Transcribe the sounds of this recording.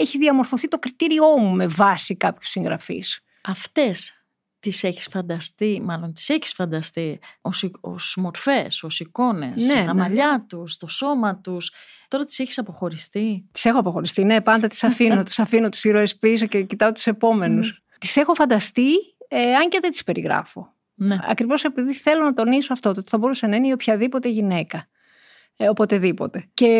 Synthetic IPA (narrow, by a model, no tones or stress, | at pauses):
eçiðiɐmo̞ɾfo̞θit̪o̞kɾit̪iɾio̞mume̞vɐsikɐpçu̥siŋɣɾɐfḭs | ɐft̪e̞s | t̪iseçi̥sfɐnd̪ɐst̪imɐlo̞nt̪i̥seçi̥sfɐnd̪ɐst̪ioso̰smoɾfe̞so̞siko̞ne̞̰sne̞t̪ɐmɐʎɐt̪ust̪o̞so̞mɐt̪us | t̪o̞ɾɐt̪i̥seçi̥sɐpo̞xo̞ɾist̪it̪i̥se̞xo̞ɐpo̞xo̞ɾist̪ine̞pɐnd̪ɐt̪i̥sɐfinnot̪i̥sɐfinot̪i̥siɾoespisocecit̪ɐot̪u̥se̞po̞me̞nus | t̪i̥se̞xo̞fɐnd̪ɐst̪ieɐɲceðet̪ispe̞ɾʔiɣɾɐ̰fo̞̰ | neɐ̰kɾivo̞se̞piðiθe̞lo̞nɐt̪o̞niso̞ɐft̪ot̪oot̪i̥θɐbo̞ɾusenɐineo̞pçɐðipo̞t̪e̞ʝine̞kɐ | o̞po̞t̪e̞ðipo̞̰t̪e̞ce̞